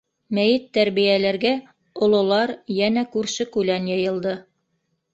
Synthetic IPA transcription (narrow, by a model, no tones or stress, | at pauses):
mæjɘt̪ːæɾβijælæɾɡæ | ŏlˠŏlˠɑɾjænækʉɾʃɘkʉlænjɤ̆jɤ̆lˠd̪ɤ